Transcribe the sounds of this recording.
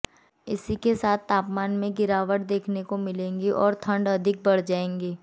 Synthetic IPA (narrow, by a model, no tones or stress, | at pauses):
ɪ̰sikesaːt̪ʰːaːpmaːnmẽɡɪɾaːʋəʈ̚d̪eːkʰnekomɪlẽːŋɡiʔɔːɾt̪ʰə̃ɳɖɐd̪ʱɪk̚bɐɽ̤d͡ʒaːẽːŋɡeː